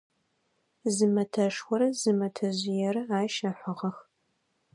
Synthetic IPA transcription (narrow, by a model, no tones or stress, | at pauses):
zɨmɐtʰɐʂxʷɔɾɐzɨmɐtʰɐʑɪjɛɾɨaːʃɐħʷɐʁɐx